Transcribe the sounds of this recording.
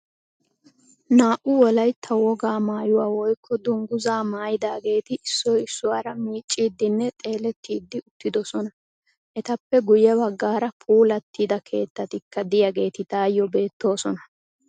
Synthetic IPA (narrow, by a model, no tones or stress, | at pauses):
naːʔʊwɔlɐjt̪ʰːɐwɔɡaːmaːjʊwaːwɔjkʰːɔd̪ʊŋɡʊzaːmaːjɪd̪aːɡe̞ːt̪ɪʔɪsːɔjɪsːʊwaːɾɐmiːt͡ʃʼːiːd̪ːɪnːɛt̪ʼe̞ːlɛt̪ːiːd̪ːɪʊt̪ːɪd̪ɔsɔnɐ | ʔɛt̪ɐpːɛɡʊjɛbɐɡːaːɾɐpʰuːlɐt̪ːiːd̪ɐkʰe̞ːt̪ːɐt̪ɪkːɐd̪ɪjaɡe̞ːt̪ɪd̪aːjːɔbe̞ːt̪ːo̞ːsɔnɐ